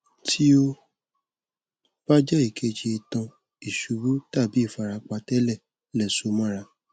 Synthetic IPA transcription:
tʰi˦o˧ | b̥a˦d͡ʒɛ˦i˦˨kʰe˧d͡ʒe˧˨tã˧ | i˨ʃu˨ɾu˦ta˦˨bi˨˦i˦˨fa˨ɾa˧k͡pa˧tɛ˦lɛ˦˨ | lɛ˦˨so˨˧˦mã˦ɾa˧˨

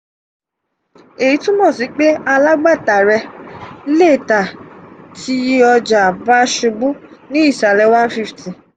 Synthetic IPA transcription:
e˨ji˨˦tũ˦mɔ̃˦˨si˨˦k͡pe˦a˧la˦ɡ͡ba˦˨ta˨ɾɛ˧˦ | le˦˨ta˨tʰi˧˦ɔ˧d͡ʒa˨ba˦ʃu˧bũ˦nĩ˦i˦˨sa˨lɛ˧wa˦n˦fi˧fti˨

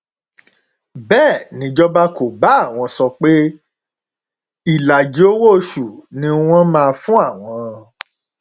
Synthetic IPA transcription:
bɛː˦˨nĩ˨˦d͡ʒɔ˦ba˦ko˨ba˨˦˨w̃ɔ̃˧sɔ˧k͡pe˦ | i˦˨la˨d͡ʒi˨˦o˦wo˦˧ʃu˨nĩ˧˦w̃ɔ̃˦mãː˦˧fũ˦a˦˨w̃ɔ̃˧

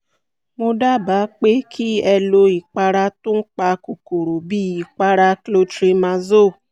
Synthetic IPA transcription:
mo˧da˦˨ba˨˦k͡pe˦kʰi˦ɛ˧lo˧i˨k͡pa˧ɾa˧tũ˦n̩˦k͡pa˧ko˨ko˨ɾo˨bi˦ji˨k͡pa˧ɾa˧klo˧tɾi˧mã˧zo˦˨

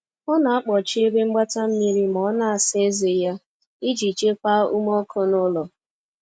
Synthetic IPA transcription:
ɔ˦na˨a˦k͡pɔ˨t͡ʃɪ˦e˦be˦ŋ͡m̩˦ɡ͡ba˦ta˦m̩˦mi˦ɾi˦m˨ɔ˨˦na˦a˨sɪ˦e˦ze˨ja˦ | i˦d͡ʒi˨t͡ʃe˦kʷa˦ṵ˦mɔ˦kʰʊ˦nʊ˦lɔ˨

